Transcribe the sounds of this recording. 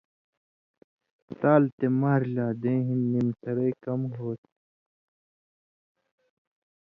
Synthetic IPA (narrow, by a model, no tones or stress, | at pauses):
t̪aːlt̪emaːɾlaːd̪ẽːɦĩnːimsɐɾɐjkɐmɦoːt̪̚